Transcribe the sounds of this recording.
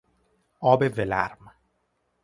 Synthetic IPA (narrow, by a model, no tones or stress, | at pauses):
ɒːbevelæ̰ɾm